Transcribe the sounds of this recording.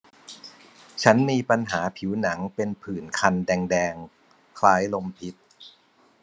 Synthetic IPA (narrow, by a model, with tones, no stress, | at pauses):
t͡ɕʰa˦˥nmiː˧pa˧nɦaː˩˦pʰi˩˦wna˩˦ŋpe˧npʰɯː˨˩nkʰa˧ndɛː˧ŋdɛː˧ŋ | kʰlaː˦˥jlo˧mpʰi˦˥t̪̚